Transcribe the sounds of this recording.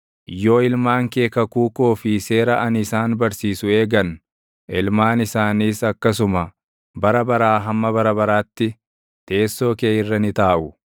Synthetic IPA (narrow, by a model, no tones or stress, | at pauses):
ʔjo̞ːɪlmaːŋke̞ːkɐkuːko̞ːfɪse̞ːɾɐʔɐnɪsaːnbɐɾsiːsʊe̞ːɡɐn | ɪlmaːnɪsaːniːsɐkːɐs̬ʊmɐ | bɐɾɐbɐɾaːɦɐmːɐbɐɾɐbɐɾaːt̪ːɪ | t̪e̞ːsːo̞ːke̞ːɪrːɐnɪt̪aːʔʊ